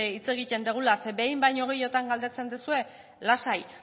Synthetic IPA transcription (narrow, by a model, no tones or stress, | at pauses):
it͡se̞ɣ̞it̪e̞nd̪eɣ̞ulasebe̞jmbajɲo̞ɣ̞e̞jo̞t̪aŋɡald̪et͡se̞nd̪esue̞ | lasaj